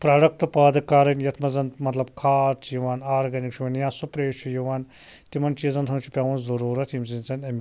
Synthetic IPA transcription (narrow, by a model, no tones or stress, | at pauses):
pɾaːɖɐk̚t̪ɐpaːd̪ɨkaːɾɐnjɐt̪ʰmɐzɐnmɐt̪lɐb̚kʰaːɾt͡ʃʰjiʋaːnaːɾɡɐnikt͡ʃʰuʋɐnjãːsupɾeːt͡ʃʰujiʋaːn | t̪imɐnt͡ʃiːzɐnt̪ʰɐnt͡ʃʰu̥pʲaːʋɐnzɐɾuːɾɐt̪ʰimzint͡sɐnɐmʲ